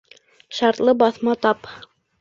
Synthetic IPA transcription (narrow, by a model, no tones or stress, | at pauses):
ʃɑɾt̪lˠɤbɑθmɑt̪ɑp